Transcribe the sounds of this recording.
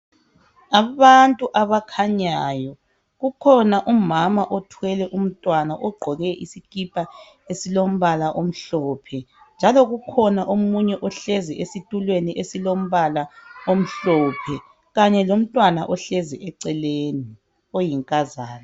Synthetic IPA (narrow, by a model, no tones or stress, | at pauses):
aβantʼuʔaβakʰaɲajɔ | ɣukʰɔnaʔumamaʔɔtʰwɛlɛʔum̩tʼwanaʔɔɡ͡ǃʱɔɣɛʔisikʼipʼa | esilom̩βalaʔom̩ɬɔːpʰɛ | nd͡ʒʱalɔɣukʰɔnaʔomuɲɛʔɔɬɛzɛʔesitʼulweniʔesilom̩βalaom̩ɬɔpʰɛ | ɣaɲɛlom̩tʼwanaʔɔɬɛzɛʔɛǀɛleni | ojiŋkʼazaːna